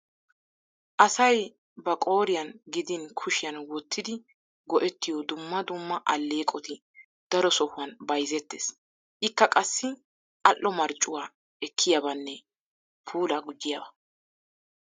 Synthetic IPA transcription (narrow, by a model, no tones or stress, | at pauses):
ʔɐsɐj | bɐkʼo̞ːɾɪjɐnɡɪd̪ɪnkʰʊʃɪjɐnwɔt̪ːɪd̪ɪ | ɡɔʔɛt̪ːɪjɔd̪ʊmːɐd̪ʊmːɐʔɐlːeːkʼɔt̪ɪ | d̪̥ɐɾɔsɔhʊɐnbɐjzɛt̪ːḛːs | ʔɪkːɐkʼɐsːɪ | ʔɐʔːɔmɐɾt͡ʃʼːʊwaː | ɛkʰːɪjɐbɐnːɛ | pʰuːlɐɡʊd͡ʒːɪjɐːbɐ